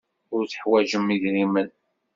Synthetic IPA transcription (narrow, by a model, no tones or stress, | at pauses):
ʊɾθə̥ħwæʒəmːiʝɾimən